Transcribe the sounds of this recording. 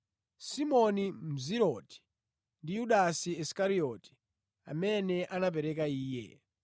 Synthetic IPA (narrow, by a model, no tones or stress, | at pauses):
simɔnim̩ziɾɔti̥ | ndijuɗasiiskaɾiɔti̥ | a̰mɛnɛʔanap̬ɛɾɛk̬aiːjɛ̰